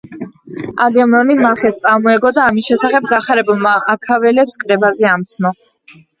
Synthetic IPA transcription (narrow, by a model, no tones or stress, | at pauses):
ad̪iɔmɾɔnimaχɛst̪sʼaɾmɔɛɡɔd̪aːmisʃɛsaχɛb̚ɡaχaɾɛbulˠmaakʰavɛlɛpskʼɾɛbazɛamt̪sʰnɔ